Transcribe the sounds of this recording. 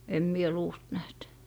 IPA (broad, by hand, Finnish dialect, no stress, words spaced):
em mie luːst næht